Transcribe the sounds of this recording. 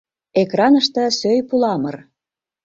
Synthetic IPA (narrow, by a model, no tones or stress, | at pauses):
ekrɑnəʃt̪ɤ̆søjpulɑmər